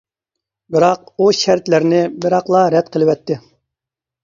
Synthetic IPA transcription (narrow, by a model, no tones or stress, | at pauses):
bɪɾɑq̚uʃæɾt̪læɾnɪbɪɾɑqlˠɑɾɛd̪̚qʰəlˠɪwɛt̪ʰːɪ